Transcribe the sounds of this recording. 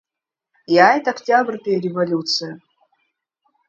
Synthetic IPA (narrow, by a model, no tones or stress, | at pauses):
jaɛt̪əɐktʲabrt̪ɨjəɾʲɪvɐlʲut̪sɨjə